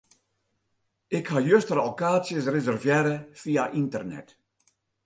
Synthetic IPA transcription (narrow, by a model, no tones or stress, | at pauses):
ɪkhajøstərokaːsjəs̬rezɛrvjɛɾəfiaʔintərnɛ̰t